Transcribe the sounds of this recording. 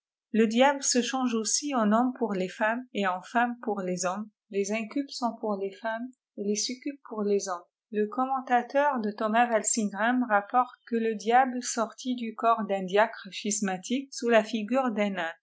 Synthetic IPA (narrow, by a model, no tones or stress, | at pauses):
ləd̪jabləsəʃɑ̃ʒosiɑ̃nɔ̃mpuʁlefameɑ̃fampuʁlezɔm | lezɛ̃kʲylpsɔ̃puʁlefam | elesykʲyp̚puʁlezɔ̃m | ləkɔmɑ̃t̪at̪œʁd̪ət̪ɔmavalsĩnɡʁɛmʁapɔʁt̪̚kələd̪jablsɔʁt̪ʰid̪ykɔʁd̪ɛ̃d̪jakχəʃismat̪ʰik̚sulafiɡʲyʁd̪ɛ̃na